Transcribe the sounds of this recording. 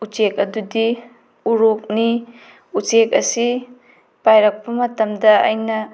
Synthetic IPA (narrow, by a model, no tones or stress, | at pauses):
ut͡ʃek̚ɐdudi | uɾok̚ni | ut͡ʃek̚ɐsi | pajɾɐk̚pɐmɐtɐmdɐɐ̰jnɐ